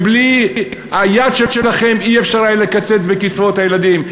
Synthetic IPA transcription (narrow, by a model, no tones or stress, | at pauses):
blihajadʃeʃelaχe̞miefʃaʁajle̞kat͡se̞t̪bekit͡svo̞t̪hajelad̪im